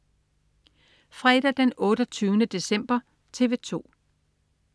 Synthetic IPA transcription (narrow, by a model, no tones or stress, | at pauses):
fʁɛd̥ɐd̥enɔ̽ːɾ̥ɐt͡sʰyːʊnəd̥e̝sem̰b̥ɐ | t͡sʰe̝ːʋe̝t͡sʰo̝̰ː